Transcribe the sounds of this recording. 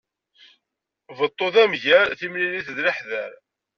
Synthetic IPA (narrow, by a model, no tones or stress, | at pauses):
vət̪ˤːoðæmʝæɾθimliliθðləħðæɾ